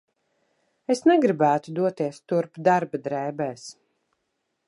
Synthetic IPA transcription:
esnɛɡɾibæːt̪ud̪uɔt̪iɛst̪uɾpd̪aɾbad̪ɾɛːbɛːs

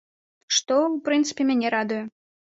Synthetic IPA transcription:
ʂt̪ɔwpɾɨnt̪sɨ̥pʲemʲænʲɛɾad̪ujɛ

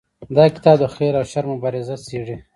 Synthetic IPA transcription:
d̪ɑkɪ̥t̪ɑb̚d̪əxeɾawʃaɾmʊbɑːɾɪzaseʐi

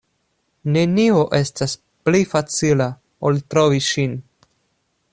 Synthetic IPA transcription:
ne̞nioʔe̞stas | plifat͡sila | oltɾo̞viʃin

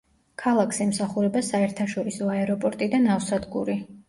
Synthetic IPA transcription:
kʰalˠakʰsɛmsaχuɾɛbasaɛɾt̪ʰaʃɔɾisɔaɛɾɔpʼɔɾt̪ʼid̪anafsad̪ɡṵɾi

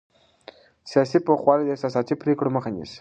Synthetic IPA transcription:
sijɑsipoxwɑlid̪əesɑsɑt̪ipɾekɽoməxanḭs

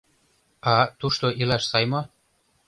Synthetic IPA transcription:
ɑt̪uʃt̪oʔilɑʃsɑjmo

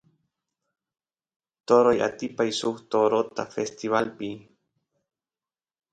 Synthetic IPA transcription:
t̪oɾoja̰t̪ipajsuht̪oɾot̪a̰fest̪iβalpi

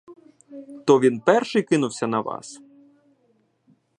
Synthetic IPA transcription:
t̪ɔʋʲinpɛrʃɪjkɪnʊwsʲɐnɐʋɑ̰s

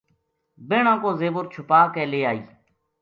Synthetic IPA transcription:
beːɳãːkoːzeːbʊɾt͡ʃʰʊpaːkeːleːaːḭː

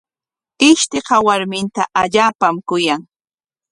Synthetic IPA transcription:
ɪʃt̪ɪqɑwaɾmɪnt̪aʔaʎaːpamkʊjaŋ

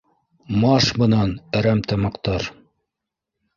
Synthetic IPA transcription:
mɑʃbɤ̆nɑnɘ̆ɾæmt̪ɑmɑqt̪ɑɾ

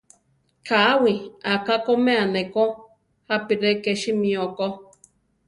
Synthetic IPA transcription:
kaawiakakomeaneko | hapiɾekeʃimĩoko

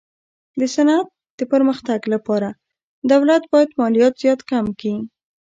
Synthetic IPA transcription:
d̪əsanat̪̚ | d̪̥əpəɾməxt̪aɡlapɑɾa | d̪awlat̪̚bɑjad̪mɑlijɑt̪z̥jɑt̪kamki

